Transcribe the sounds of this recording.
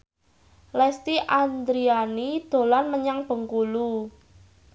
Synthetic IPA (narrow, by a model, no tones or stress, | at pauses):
lɛst̪iʔand̪ɾianid̪̥o̤lanməɲaŋb̥ə̤ŋkulu